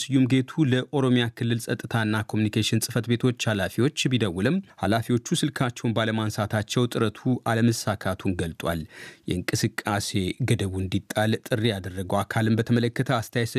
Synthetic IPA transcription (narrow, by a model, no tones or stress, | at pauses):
sɨjːumɡe̞t̪ʰuləʔo̞ɾo̞mjakʰɨlːɨlsʼət̪ʼːɨt̪ʰaɨnːakʰo̞munikʰeʃɪnsʼɨfət̪be̞t̪ʰo̞t͡ʃːhalafiwo̞t͡ʃːbid̪əwːʊlɨmha̰lafiwo̞t͡ʃːusɨlkʰat͡ʃːɛwnbaləmansat̪ʰat͡ʃːɛwt̪ʼɨɾət̪ʰuʔaləməsakʰat̪ʰunɡəlt̪ʼwa̰ljɛ̰ɨŋkʼɨsɨkʼːase̞ɡəd̪əβuɨnd̪it̪ʼːalt̪ʼɨrːijad̪ərːəɡəwakʰalɨmbət̪ʰəmələkːət̪ʰəast̪ʰjajs